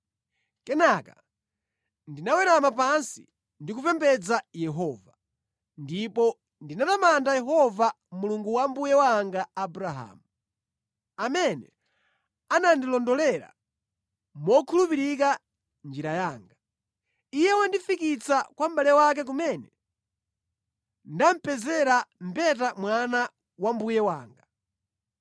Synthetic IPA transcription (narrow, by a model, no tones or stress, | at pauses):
kɛnaka | ndinawɛɾamap̬ansḭ | ndikupɛmpɛd͡zajɛɦɔːva | ndipɔ | ndinatamandajɛɦɔva | muluŋɡuwambujɛwaŋɡaːbuɾaɦa̰ːmu | amɛnɛ̰ | anandilɔndɔlɛɾa̰ | mɔkʰulupiɾika | nd͡ʒiɾajaːŋɡa | ijɛwandifikit͡sakwam̩balɛwak̬ɛk̬umɛnɛ | ndam̩pɛzɛɾam̩pɛt̬amwana | wambujɛwaːŋɡa